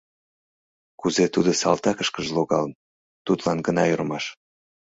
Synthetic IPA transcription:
kuzet̪ud̪osɑlt̪ɑkəʃkəʒloɣɑlən | t̪ut̪lɑnɡənɑjyrmɑʃ

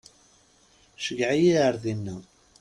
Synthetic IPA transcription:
ʃəɡʕijiʕəɾðinːæ

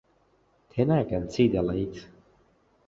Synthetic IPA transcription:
t̪ʰɛnakɛ̃nsiːd̪əlaɪt

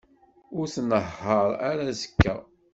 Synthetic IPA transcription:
ʊɾθnəhəɾˤaɾazə̥kʰːæ

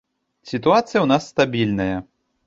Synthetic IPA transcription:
sʲit̪uat̪sɨjɐwnasːt̪abʲilʲnɐjɐ

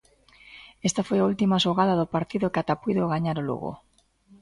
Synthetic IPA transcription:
est̪afojault̪imaʃoɣaðaðʊpaɾt̪iðʊkat̪apijðoɣaɲaɾolṵɣo̰

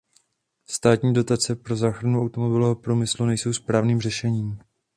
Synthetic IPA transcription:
st̪aːt̪ɲiːdo̞t̪at͡sɛpɾo̞zaːxɾanuʔawt̪omo̞bɪloɦopɾumɪslunɛjso̞wspɾaːvniːmrɛʃɛɲiːm

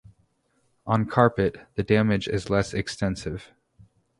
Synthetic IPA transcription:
ʔə̃nkʰɑɹpɨt̪̚ðɨdæmɨd͡ʒɪ̰zlɛsɨkstɛ̃nsɪv̥

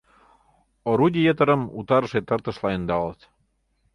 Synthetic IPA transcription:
oɾudʲijet̪ə̆ɾə̆mṵt̪ɑɾə̆ʃet̪ə̆rt̪ə̆ʃlɑənd̪ɑlət̪

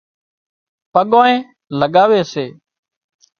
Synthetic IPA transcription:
pəɠoːẽː | ləɠaːʋeːseː

